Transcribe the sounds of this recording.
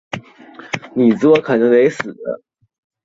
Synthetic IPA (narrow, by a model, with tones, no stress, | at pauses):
ni˨˩t͡sɹ̩˧˥wɔ˧˥kʰɤ˨˩nə˧˥ŋne˧˥ɪsɹ̩˨˩lə̰˦